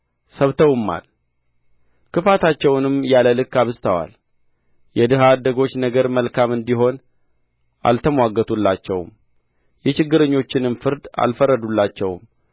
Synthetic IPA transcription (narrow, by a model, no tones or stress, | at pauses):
səβt̪ʰəwɨmːa̰l | kɨfat̪ʰat͡ʃːɛwnɨmjaləlɨkːaβɨzt̪ʰəwa̰l | jɛd̪ɨɦad̪ːəɡo̞t͡ʃːnəɡəɾməlkamɨnd̪iɦo̞n | ʔa̰lt̪ʰəmwaɡːət̪ʰulːat͡ʃːɛwm | jɛt͡ʃɪɡːɨɾəɲːo̞t͡ʃːɪnɨmfɨɾd̪a̰lfərːəd̪ulːat͡ʃːɛwm